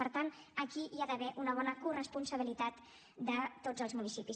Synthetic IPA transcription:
əɾt̪an | əkiiaðəβɛʔunəβɔnəkurəspunsəβ̞ilit̪at̪ | d̪ət̪od͡zəlˠzmunisipis

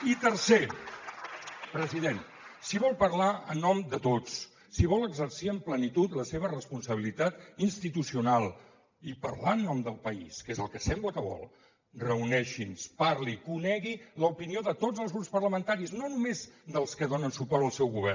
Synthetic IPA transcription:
it̪əɾse | pɾəziðen | siβɔlˠpəɾlaə̰nːɔmd̪ət̪ot͡s | siβɔləɡzəɾsiəmplənit̪ut̪ləseβ̞ərəspunsəβ̞ilit̪at̪inst̪it̪usiunalˠ | ipəɾlaənːɔmd̪əlˠpəḭskezəlˠkəsɛmblət̪əβɔ̰lˠ | rəunɛʃinspaɾlikunɛɣiləupinioðət̪ozəlzɣɾupspərləmənt̪aɾiznonumezd̪əlˠskəðonənsupɔɾəlˠsɛwɣuβɛr

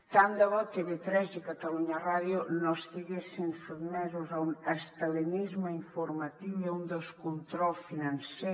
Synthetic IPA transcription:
t̪and̪aβɔkeβet̪ɾɛzekat̪aluɲaraðjunoest̪iɣesinsuðmɛzuzaunəst̪əlinizməiɱfuɾmat̪iwiaund̪əlˠskunt̪ɾɔlˠsfinanse

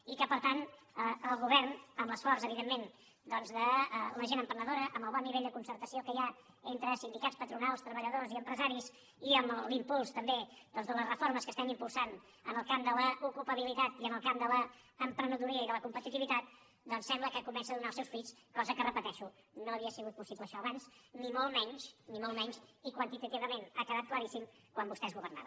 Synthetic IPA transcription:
ikəpəɾt̪an | əəlˠɣuβɛrnəmləsfɔrsəβiðemːen | d̪ɔnzðələʒenəmpɾənəðoɾəʔəmbəlˠβɔnːiβeʎʲd̪əkunsəɾt̪əsiokəja | ent̪ɾəsind̪ikaspət̪ɾunalˠst̪ɾəβəʎəðoziəmpɾəzaɾiz | iəmlimpulˠst̪əmbed̪̥ɔnzðələsrəfoɾməskəst̪ɛmimpulˠsan | ənəlˠkamd̪ələʔukulpəβilit̪at̪iənəlˠkamd̪ələːmpɾənut̪uɾiəiðələkumpət̪it̪iβit̪at̪̚ | d̪ɔnsɛmbləkəkumɛnsəːðunaəlˠsɛwsfɾiskɔzəkərəpət̪ɛʃunoəβiəsiɣut̪̚pusipləʃɔəβansnimolˠmɛɲʃnimolˠmɛɲʃikwənt̪it̪ət̪iβəmenakəðat̪̚kləɾisim | kwambust̪ɛezɣuβərna̰βə

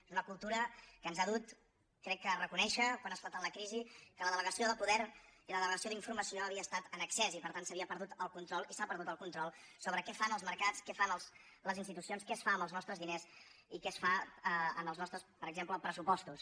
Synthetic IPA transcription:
ezunəkulˠt̪uɾəkənzaðut̪ | kːɾɛkːərəkunɛʃəkwanəsfalˠt̪ənləkɾizikələðələɣəsioðəpuðɛɾiləðələɣəsioðiɱfuɾməsioəβ̞iəːst̪at̪ənəksɛzipəɾt̪ansəβiəpəɾðut̪əlˠkunt̪ɾɔlˠisapəɾð̞ut̪əlˠkunt̪ɾɔlˠsoβɾəkɛfanəlˠzməɾkat͡skɛfanəlˠs | ləzinst̪it̪usionskɛsfaəmbəlˠznɔst̪ɾəzðines | ikɛsfaəə̰məlˠznɔst̪ɾəspəɾəɡzempləpɾəsupɔst̪us

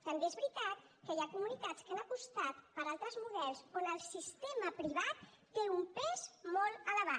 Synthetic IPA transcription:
t̪əmbeezβɾit̪at̪ | kəjakumunit̪at͡skanəpust̪at̪pəɾalˠt̪ɾəzmuðɛɾsonəlˠsist̪eməpɾiβ̞at̪ː | eumpɛzmɔlˠələβ̞a

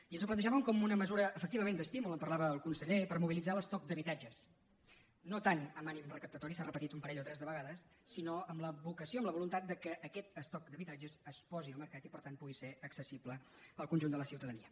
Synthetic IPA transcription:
iənzuplənəʒaβəmkɔmunəməzuɾəəːfək̚t̪iβəmẽnd̪əst̪imuləmpərlaβəːlˠkunsəʎepəɾmuβilid͡zaləst̪ɔk̚d̪əβit̪ad͡ʒəs | not̪anəmanimrəkəp̚t̪ət̪ɔɾisarəpət̪it̪umpəɾɛʎot̪ɾɛzðəβəɣaðəsː | inoəmləβukəsioəmləβulunt̪at̪̚d̪əkəʔːkɛt̪əst̪ɔk̚d̪əβit̪ad͡ʒəzəspɔziəlˠməɾkat̪ipəɾt̪anpuɣiseəksəsibləəlˠkunʲʒund̪ələsiwt̪əðəniə

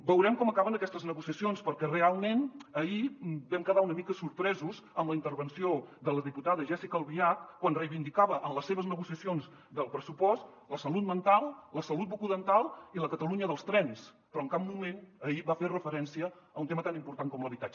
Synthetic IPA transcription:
bəwɾɛmkɔməkaβənəkɛst̪əznəɣusiəsionspəɾkɛrealˠmenəibɛmkəðaunəmikəsuɾpɾɛzuzəmləint̪əɾβənsioðələðiput̪aðəʒɛsikəlˠβiakkːwanrəjβind̪ikaβəʔəmləsːeβəznəɣusiəsionz | d̪əlˠpɾəsupɔst̪ | ləsəlut̪̚mənt̪alˠləsəlut̪̚bukuðənt̪alˠiləkət̪əluɲəðəlˠst̪ɾɛns | pɾɔəŋkap̚mumenəiβaferəfəɾɛnsiə | əunt̪emət̪animpuɾt̪aŋkɔmləβit̪a

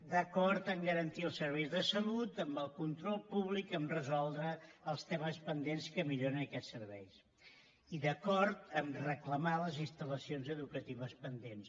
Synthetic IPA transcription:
d̪əkɔɾt̪əmɡəɾənt̪iəlˠsəɾβɛjzðəsəlut̪əmbəlˠkunt̪ɾɔlˠpuβ̞likəmrəzɔlˠd̪ɾəːlˠst̪ɛməspənd̪enskəmiʎoɾənəkɛsːəɾβɛjs | iðəkɔɾt̪əmrəkləmaləzinst̪ələsionzəðukət̪iβəspənd̪ens

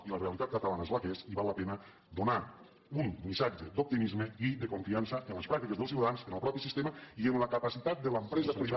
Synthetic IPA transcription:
ilərealit̪at̪̚kət̪alanəezləkesiβalːəpenə | d̪una | umːisad͡ʒəd̪up̚t̪imizmeiðəkuɱfiansəʔənləspɾak̚t̪ikəzðəlˠs̬iwt̪aðansənəlˠpɾɔpisist̪eməiənləkəpəsit̪at̪̚d̪ələmpɾɛzəpɾiβa

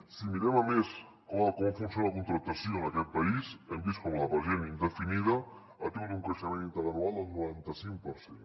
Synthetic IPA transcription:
simiɾɛməmes | kɔkɔmfunsonləkunt̪ɾət̪əsioənəkɛt̪̚pɐisəmbiskɔmləβəɾʒenind̪əfiniðə | ət̪ewt̪uŋkɾəʃəmenint̪əɾənualˠd̪əlˠnuɾant̪əsiŋk̚pəɾsen

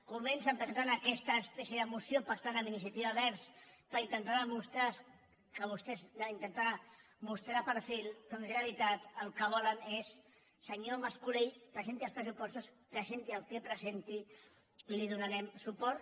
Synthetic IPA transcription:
kumɛnsəmpɾəzent̪anakɛst̪aːspɛsjeðəmusjopak̚t̪anəminisjat̪iβaβɛɾspəɾint̪ənt̪aɾðəmust̪ɾa | kəβust̪ɛzint̪ənt̪a | must̪ɾapəɾfilˠkonrealit̪at̪əlˠkəβ̞ɔlənesː | əɲomaskuɾejpɾəsent̪iəlˠspɾəsupɔst̪uskəsent̪iəlˠkepɾəzent̪i | liðunaɾɛmsupɔɾ

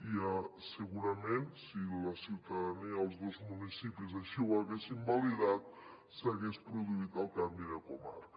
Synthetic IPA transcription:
iəsəɣuɾəmẽnsiləsiwt̪aəðəniəːlˠzðozmunisipizaʃiwaɣesimbaliðat̪̚ | səɣespɾuðuit̪əlˠkambiðəkuma̰ɾ

